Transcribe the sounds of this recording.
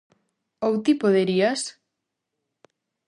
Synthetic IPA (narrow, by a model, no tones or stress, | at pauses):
owt̪ipoðeɾias